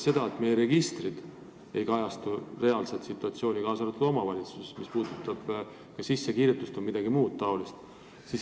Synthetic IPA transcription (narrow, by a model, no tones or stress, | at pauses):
se̞d̪ɑet̪me̞jeɾe̞ɡist̪rid̪̥ | e̞jkɑjɑst̪ure̞ɑlset̪sit̪ːˑuɑt̪sio̞ːnʲikɑːsɑlet̪ːud̥̪o̞mɑvɑlʲit̪su̥sesmispuːd̪̥ut̪ːˑɑb̥ | kɑsisːe̞kiːɾjet̪ːˑust̪omid̪̥ɑɡ̥imuːd̪̥t̪ɑo̞list̪ | sis